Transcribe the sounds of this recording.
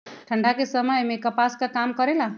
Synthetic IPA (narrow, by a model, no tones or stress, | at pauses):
ʈʰəɳɖʱakesəməjmekəpaskakamkəɾela